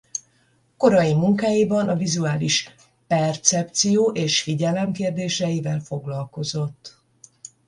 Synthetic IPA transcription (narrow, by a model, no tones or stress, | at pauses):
ko̞ɾɒjimuŋkaːjibɒnɒvizuaːliʃ | pɛrt̪sɛp̚t̪sijoːʔeːʃfiɟɛlɛmkeːrd̪eːʃɛjivɛlfo̞ɡlɒlko̞zo̞t̪ː